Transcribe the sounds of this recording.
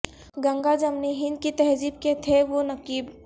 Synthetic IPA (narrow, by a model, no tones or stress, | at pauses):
ɡɐ̃ŋɡad͡ʒɐmniɦɪ̃nd̪̚kit̪ɛɦziːb̚ket̪ʰeʋonɐkiːb